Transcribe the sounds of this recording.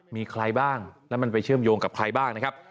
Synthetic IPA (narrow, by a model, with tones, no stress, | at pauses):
miː˧kʰɾa˧jbaː˥˩ŋlɛ˦˥ma˧npa˧jt͡ɕʰɯ˥˩əmjoː˧ŋka˨˩p̚kʰɾa˧jbaː˥˩ŋna˦˥kʰa˦˥p̚